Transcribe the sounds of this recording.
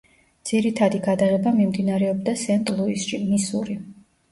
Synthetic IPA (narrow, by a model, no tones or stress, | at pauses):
d̪z̥iɾit̪ʰad̪iɡad̪aʁɛbamimd̪inaɾɛɔbd̪asɛnt̪ʼlˠuisʃimisṵɾi